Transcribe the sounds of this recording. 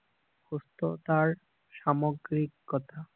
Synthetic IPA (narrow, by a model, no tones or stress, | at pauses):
host̪ot̪aɾ | ʃamoɡɾikːɔt̪a